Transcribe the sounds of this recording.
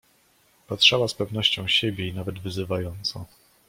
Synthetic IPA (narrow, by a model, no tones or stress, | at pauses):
patʂawaspɛvnɔɕt͡ɕɔ̃w̃ɕebʲjeinavɛd̪vɘzɘvajɔnt̪sɔ̃w̃